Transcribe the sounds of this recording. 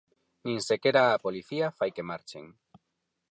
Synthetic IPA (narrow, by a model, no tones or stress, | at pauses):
ninsekeɾaːpoliθiafajke̞maɾt͡ʃḛŋ